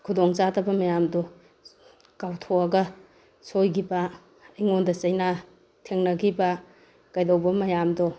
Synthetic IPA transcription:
kʰudoŋt͡ʃadɐbɐmɐjamdɔ | kawtʰoɐɡɐ | sojɡiba | ijŋondɐt͡ʃɐjna | tʰeŋnɐɡiba | kajdowbɐmɐjamdɔ

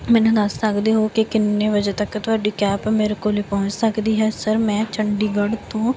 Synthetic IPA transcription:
mɛ̃ːnũd̪əssəkd̪eːɦoːkɪkɪnːeːʋəd͡ʒə̃t̪əkːt̪ʊɦaːɖiːkɛːpmeːɾekoːleːpɔ̃ːɲt͡ʃsəkd̪iːɦɛːsəɾmɛ̃ːt͡ʃəɳɖiːɡəɖt̪õː

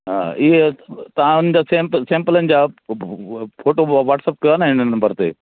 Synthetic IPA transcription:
ɦa̰ːɪɦet̪ɐʋ̤ãʊn̤əd͡ʑaːsempsẽːmpələnɪ̆d͡ʑaː | foːʈoʋaːʈsəp̚kɐənaɦɪnənɐmbəɾt̪ḛː

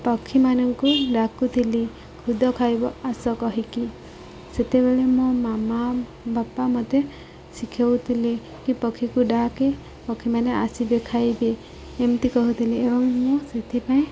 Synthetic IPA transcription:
pɔkʰimanɔŋkuɾakut̪ʰili | kʰud̪ʱɔkʰajbɔasɔkɔɦiki | set̪ebeɭemũmama | bapːamɔt̪e | sikʰewt̪ʰile | kipɔkʰːikuɖake | pɔkʰimaneasibekʰajbeː | mt̪ikɔɦut̪ʰileebɔŋmũset̪ʰipaĩ

